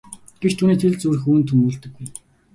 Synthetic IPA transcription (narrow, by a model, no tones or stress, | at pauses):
ɡ̥ekt̪ʰuːniːt̪ʰeɮt͡suːrɘ̆xuːnt̪ʰɵmuːɮt̪ɘ̆ɡːuj